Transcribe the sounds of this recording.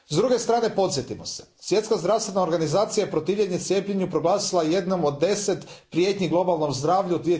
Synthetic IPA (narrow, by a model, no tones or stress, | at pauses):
zd̪ɾuɡe̞st̪ɾaːne̞po̞t̪sjet̪imosesʋje̞t̪skazd̪ɾast̪ʋe̞nao̞ɾɡanizaːt̪sijapɾo̞t̪iːʋʎʲeɲet̪sjeːpʎeɲupɾo̞ɡlˠaːsilˠaje̞d̪no̞mod̪dːe̞set̪ | pɾije̞t̪ɲiɡlˠo̞balˠno̞mzd̪ɾaːʋʎud̪ʋie